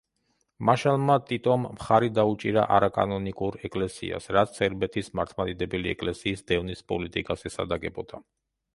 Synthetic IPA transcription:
maʃalˠmat̪ʼit̪ʼɔmːχaɾid̪aut͡ʃʼiɾa̰ʔaɾakʼa̰nɔnikʼuɾɛkʼlɛsḭa̰sɾat̪ssɛɾbɛt̪ʰismaɾt̪ʰmad̪id̪ɛbɛliɛ̰kʼlɛsiːsd̪ɛvnispʼɔlit̪ʼikʼasɛsa̰d̪aɡɛbɔd̪̥a

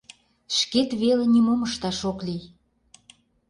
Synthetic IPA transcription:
ʃket̪βelenimoməʃt̪ɑʃoklij

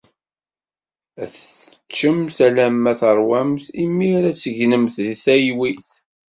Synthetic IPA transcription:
æθə | t͡ʃːəmθælæmːæθəɾˤwæmθimːiɾæt͡sːəʝnəmθðiθæjwiθ

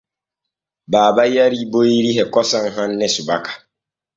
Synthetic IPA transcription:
baːbajaɾiːbojɾiɦɛkɔsɔŋɦanːɛsubakḁ

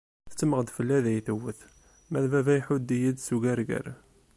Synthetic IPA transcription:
θə̥t͡sːəməʁd̪fəlːæðæjθəwəθ | mæðvævæjħud̪ijid̪suɡæɾɡə̰ɾ

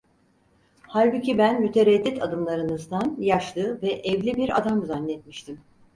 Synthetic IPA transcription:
haɾbucibænmyt̪ʰeɾɛd̪ːit̪ʰad̪ɯmlˠaɾɯnɯzd̪anjaʃlˠɯvɛʔɛvlʲibiɾa̰d̪amzanlʲːɛt̪miʃt̪ʰim

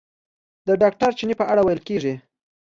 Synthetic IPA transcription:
d̪əɖɑk̚ʈaɾt͡ʃinipəʔaɽawajəlkeʐi

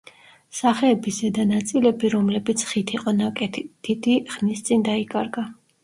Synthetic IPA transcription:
saχɛːbizɛd̪anat̪sʼilɛbiɾɔmlɛbit̪sʰχit̪ʰiqʼɔnakʼɛt̪ʰd̪̥id̪iχnist̪sʼind̪aikʼaɾɡa

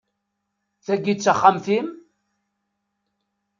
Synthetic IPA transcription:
θæɡːit͡sːaχːamθim

